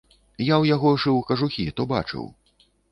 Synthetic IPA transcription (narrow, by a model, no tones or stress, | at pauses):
jawjaɣɔʐɨwkɐʐuxʲit̪ɔba̰t͡ʂɨ̰w